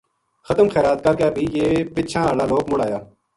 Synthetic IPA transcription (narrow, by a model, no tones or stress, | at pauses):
xət̪əmxɛːɾaːt̪̚kaːkeːbʱiːjeːpɪt͡ʃʃʰãːaːlaːloːkmʊɽaːjaː